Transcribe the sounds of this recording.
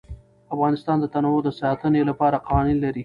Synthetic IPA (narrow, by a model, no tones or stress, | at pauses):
afɣɑnɪst̪ɑnd̪ət̪anawod̪əsɑt̪ənelapɑɾaqɑwɑninlaɾi